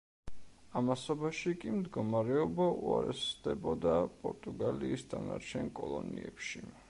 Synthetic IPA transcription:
amasɔbaʃikʼimd̪ɡɔmaɾɛɔbauaɾɛsd̪ɛbɔd̪apʼɔɾt̪ʼuɡaliːsd̪anaɾt͡ʃʰɛnkʼɔlˠɔniɛpʃi

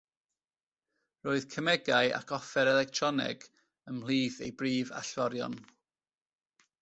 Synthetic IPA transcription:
roːɨðkʰəmɛɡaɨʔa̰kʰɔfɛɾɛlɛk̚tʰrɔnɪ̰ɡ̥ | əml̥ˠiːθḛjbriːva̰ɬvɔɾjɔ̰n

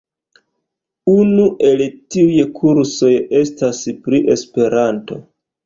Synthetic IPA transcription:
unuʔe̞ltiujkʰuɾso̞je̞staspɾiʔe̞spe̞ɾanto̞̰

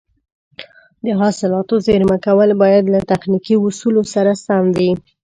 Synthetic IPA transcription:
d̪əɦɑsɪlɑt̪ozeɾmakawəlbɑjad̪lat̪axnikiwʊsulosaɾasamwi

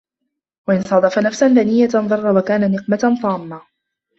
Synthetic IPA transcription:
waʔɪnsˤɑd̪ˤɑfanafsanðanɪjːat̪nðˤɑrˤːɑwakaːnanɪqmansˤɑːmːa

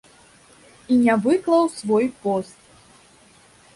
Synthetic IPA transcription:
inʲavɨklˠɐwsvɔjpɔst̪̚

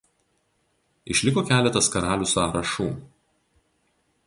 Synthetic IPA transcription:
ɪʃʲlʲɪkoːkʲæːlʲɛt̪ɐskɐɾɑːlʲuːsɑːɾɐʃuː

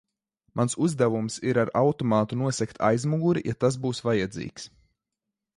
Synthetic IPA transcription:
mʔansuzd̪ɛvumsiɾaɾawt̪ɔmaːt̪unuɔsɛkt̪ʰa̰jzmuɡuɾija̰t̪as̬buːsvajad̪zḭːks

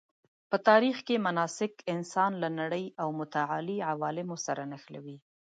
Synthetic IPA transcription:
pət̪ɑɾixkemanɑsɪkɪnsɑnlanaɽəjawmʊt̪aʕaliʕawɑlɪmosaɾanaxlawi

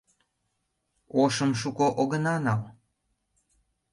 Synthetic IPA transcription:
oʃəmʃ̬ukoʔoɣənɑnɑl

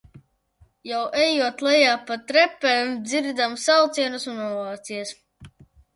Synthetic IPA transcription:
jawʔɛjuɔt̪lˠɛjaːpat̪ɾɛpːɛmd̪ziɾd̪amsawt̪siɛnusunɔvaːt̪siɛs

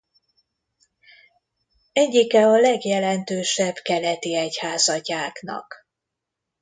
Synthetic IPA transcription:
ɛɟːikɛɒlɛɡjɛlɛnt̪øːʃɛbkɛlɛt̪iɛchaːzɒcaːknɒ̰k

